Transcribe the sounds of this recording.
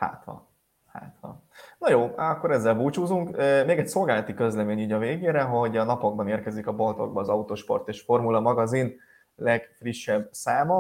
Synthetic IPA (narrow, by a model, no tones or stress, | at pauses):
ha̰ːt̪hɒ̰ | ha̰ːt̪hɒ̰ | nɒjoːɒkːo̞ɾɛzːɛlbuːt͡ʃuːzuŋkømeːɡɛcso̞lɡaːlɒt̪ikø̞zlɛmeːɲiːɟɒveːɡeːɾɛɦo̞ɟɒnɒpo̞ɡ̚bɒneːrkɛzikɒbolt̪o̞̰ɡ̚bɒːzɒut̪oːʃpo̞̰rt̪eːʃfo̞rmulɒmɒɡɒzin | lɛɡfriʃːɛbsaːmɒ